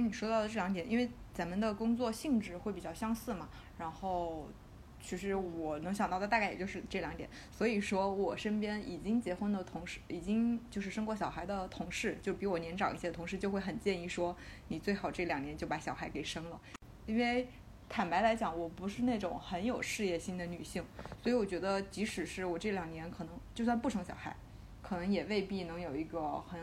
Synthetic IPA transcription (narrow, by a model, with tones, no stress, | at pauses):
n˨˩ʂwɔ˥ɑ˥˩ʊə˩ʈ͡ʂɤ˥˩ljɑ˧˥ŋt̪jɛ˨˩˦ʔi˥nwe˥˩ɪt͡sa˧˥nmə˧d̪ə˨kʊ˥ŋt͡swɔ˥˧ɕi˥˧ŋʈ͡ʂɻ̩˥˩xwe˥˩ɪpi˨˩t͡ɕjɑ˥˩ʊɕjɑ˥ŋsɹ̩˥˩mɐ˩ | ɻa˧˥nxo˥˩ʊ | t͡ɕʰy˥˧ʂ̬ɻ̩˧˥wɔ˨˩nɤ˧˥ŋɕjɑ˨ŋt̪ɑ˥˧ʊə˧˥t̪a˥˧kjɛ˨˩t͡ɕjo˥˧ʊʂɻ̩˥˧ʈ͡ʂɤ˥˩ljɑ˧˥ŋt̪jɛ̰˨˩˦n | swɔ˧˥i˨˩ʂwɔ˥wɔ˨˩ʂə˥npjɛ˥ni˨˩t͡ɕi˥ŋt͡ɕjɛ˧˥xwə˥nlə˨t̪ʰʊ˧˥ŋʂɻ̩˥˩i˨˩t͡ɕi˥ŋt͡ɕjo˥˧ʊʂ̬ɻ̩˥˩ʂɤ˥ŋkwɔ˥˩ɕjɑ˨˩ʊxa˧˥ɪd̪ə˧t̪ʰʊ˧˥ŋʂɻ̩˥˩t͡ɕjo˥˧ʊʂpi˧˥wɔ˨˦njɛ˧˥nʈ͡ʂɑ˨˩ŋḭ˥˩ɕjɛ˥də˧t̪ʰʊ˧˥ŋʂɻ̩˥˧t͡ɕjo˥˧ʊxwe˥˩ɪxə˨˩nt͡ɕjɛ˥˧ni˥˩ʂwɔ˥ni˨˩t͡swe˥˩ɪxɑ˨˩ʊʈ͡ʂɤ˥˩ljɑ˨˩ŋnjɛ˧˥nt͡ɕjo˥˩ʊpa˧˥ɕjɑ˨˩ʊxa˧˥ɪke˨˩ɪʂɤ˥ŋlə˨ | i˥nwe˥˩ɪ | t̪ʰa˨˩npa˧˥ɪla˧˥ɪt͡ɕjɑ˨˩˥ŋwɔ˨˩pu˧˥ʂɻ̩˥˧ne˥˩ɪʈ͡ʂʊ˨˩˦ŋxə˧˥njo˨˩ʊʂɻ̩˥˧jɛ˥˩ɕi˥nd̪ə˨ny˨˩ɕi˥˩ŋswɔ˧˥i˧˥wɔ˨˩t͡ɕɥɛ˧˥d̪ə˧t͡ɕi˧˥ʂɻ̩˨˩ʂɻ̩˥˩wɔ˨˩ʈ͡ʂɤ˥˩ljɑ˨˩ŋnjɛ˧˥nkʰɤ˨˩nɤ˧˥ŋt͡ɕjʊs̬a˥˧npu˥˩ʈ͡ʂʰɤ˧˥ŋɕjɑ̰˨˩xa˧˥ɪ | kʰɤ˨˩nɤ˧˥ŋjɛ˨˩we˥˧ɪpi˥˩nɤ˧˥ŋjo˨˩ʊi˧˥ɡə˧xə˧˥